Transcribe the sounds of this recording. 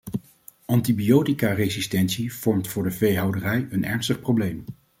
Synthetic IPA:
ʔɑntibijowtikarezistɛntsiv̥ɔɹmtfʊːɹdəvejɦɑwdərɛjənɛ̰ɹnstəχprowblejm

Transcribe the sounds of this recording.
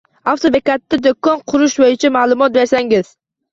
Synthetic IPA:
aft̪ʰobekat̪ːad̪okːɒnqʰʊɾʊʃbojɪt͡ʃʰamaːlˠʊmɒt̪̚be̞ɾsaŋɪz̥

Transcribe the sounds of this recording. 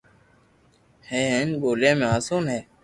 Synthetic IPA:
hẽːɦẽːnɠoːljãːmẽːaːsoːnɦeː

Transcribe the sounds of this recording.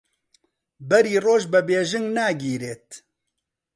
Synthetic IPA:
bɛɾiːroːʒbɛbeːʒɪŋɡnaːɡiːɾeːt̪

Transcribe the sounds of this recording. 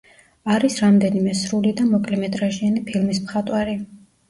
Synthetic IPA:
aɾisɾamd̪ɛnimɛsɾulid̪amɔkʼlɛmɛt̪ʼɾaʒianipʰilˠmismχat̪ʼwaɾi

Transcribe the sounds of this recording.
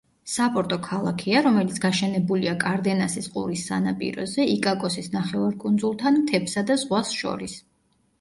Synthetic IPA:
sapʼɔɾt̪ʼɔkʰalˠakʰiaɾɔmɛlit̪sʰɡ̥aʃɛnɛbuliakʼaɾd̪ɛnasisqʼṵɾisːa̰napʼḭɾɔ̰zɛikʼakʼɔsisnaχɛvaɾkʼund̪zulˠt̪ʰanmt̪ʰɛpsad̪azʁwasʃɔ̰ɾis

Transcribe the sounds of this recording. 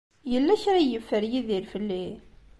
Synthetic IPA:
jəlːæçɾajəfːəɾjiðiɾfəlːi

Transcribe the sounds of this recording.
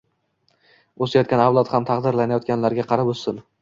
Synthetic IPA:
osajɒt̪̚kʲanavlˠat̪hamt̪ʰɑqd̪ɪɾlanajɒt̪̚kʲanlaɾɡʲaqʰɑɾabossɪn

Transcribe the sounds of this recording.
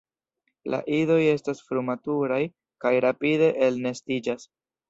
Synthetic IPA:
la̰ʔido̞je̞stasfɾumatuɾaj | kajɾapide̞ʔelne̞stid͡ʒas

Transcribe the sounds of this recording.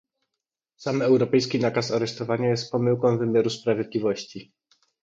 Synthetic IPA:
samɛwɾɔpɛjskʲinakasaɾɛʂt̪ɔvaɲajɛst̪̚pɔmɘwkɔ̃w̃vɘmʲjaɾuspɾavʲjed̪lʲivɔɕt͡ɕi

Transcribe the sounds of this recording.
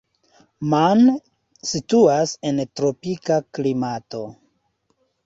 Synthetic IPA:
man | situase̞ntɾo̞pikaklimato̞

